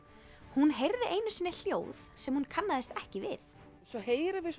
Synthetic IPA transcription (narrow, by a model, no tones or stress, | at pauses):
hunɦejɾðɪʔeːjnʏsɪnːɪl̥jo̰ːwðsɛmhunkʰanːaðɪst̪ɛhcɪvɪ̰θ | sɔheːjɾɪvɪs